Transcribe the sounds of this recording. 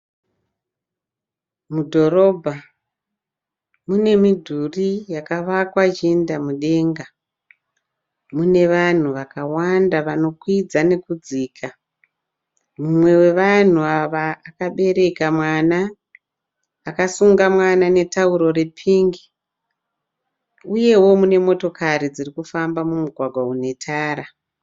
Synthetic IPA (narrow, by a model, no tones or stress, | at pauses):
mudʱo̞ro̞bʱa | mune̞midʱurijakaʋakwad͡ʒindamuɗe̞ːŋɡa | mune̞ʋan̤uʋakawandaʋano̞kwid͡zane̞kud͡ziːkʰa | mumwe̞we̞ʋan̤uaʋaːkaɓe̞ɾe̞kamwana | kasuŋɡamwanane̞tauɾo̞ɾe̞pʰiːŋɡi | uje̞wo̞mune̞mo̞to̞kaɾid͡zirikufambamumuɡʱwaɡʱwaune̞tʰaːɾa